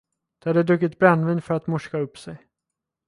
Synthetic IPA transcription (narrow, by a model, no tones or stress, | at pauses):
d̪̥ɛhad̪ːəd̪ɵkːɪt̪bɾɛnːviːnfœɾat̪mɔʂkaɵpːsɛj